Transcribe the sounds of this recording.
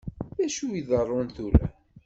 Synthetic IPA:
ðæʃuiðərˤːonθuɾæ̰

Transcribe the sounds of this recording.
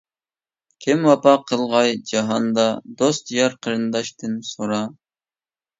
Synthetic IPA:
kʲʰɪmwɑpɑqʰːəlˠʁɑjd͡ʒɑɦɑnd̪ɑd̪ost̪jɑɾqʰəɾɨnd̪ɑʃt̪ɨnsoɾɑ

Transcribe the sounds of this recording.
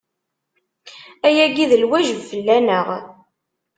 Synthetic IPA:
æjæɡiðəlwæʒəvfəlːænəʁ

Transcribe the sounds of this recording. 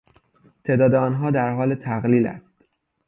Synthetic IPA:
t̪ʰeːd̪ɒːd̪eɒːnɦɒːd̪æɾɦɒːlet̪ʰæɣliːlæ̰st̪

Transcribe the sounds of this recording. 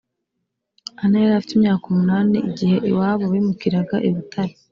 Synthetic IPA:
anajeɾafitimɲaːkumunaːniʔiɟihe̞ʔwaːβoβimukiɾaɡaʔiβutʰaɾi

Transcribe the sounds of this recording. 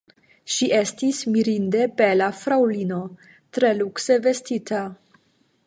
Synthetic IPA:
ʃiʔe̞stismiɾinde̞be̞lafɾawlino̞ | tɾe̞lukse̞ve̞stitʰa

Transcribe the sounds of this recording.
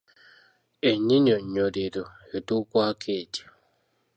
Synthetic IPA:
eɲiɲoɲɲodedo | etʊkʷakʰedi̥

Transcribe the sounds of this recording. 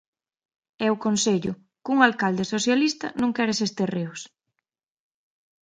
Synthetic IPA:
ɛʊkonseʎʊ | kuŋalkald̪ɪsoθjalist̪ɐ̰nõŋkɛɾɪsest̪ereʊs

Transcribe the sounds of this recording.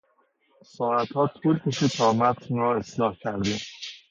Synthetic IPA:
sɒːɾæt̪hɒːt̪ʰuːlkʰeʃit̪ʰɒːmæt̪ʰnɾɒːe̞slɒːhcʰæɾd̪iːm

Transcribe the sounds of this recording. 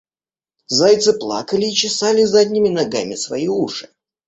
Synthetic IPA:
zajt̪sɨplˠa̰kəlʲɪːt͡ɕɪsalʲɪzadʲnʲɪmʲɪnɐɡamʲɪsvɐ̰iuʂɨ̥

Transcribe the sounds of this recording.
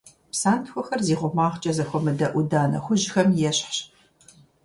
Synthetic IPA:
psaːntxʷɔxɐrziːʁʷʊmaːʁt͡ʃʼɐzɐxʷɔmɨdɐʔʷʊdaːnɐ̰xʷʊʒxɐmjɛɕħɕ

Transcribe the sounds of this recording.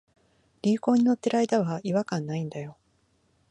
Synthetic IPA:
ɾʲiːko̞ːɲ̟ino̞t̪ːe̞ɾaid̪aβaiβakãnːaĩnd̪ajo̞

